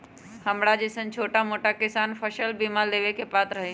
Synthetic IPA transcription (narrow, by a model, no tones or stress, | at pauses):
hɐmɽad͡ʑɪsənt͡ɕʰoːʈamoːʈakɪsaːnpʰəʃəlbiːmald̪eːʋekʰepaːt̪ɾɐɦe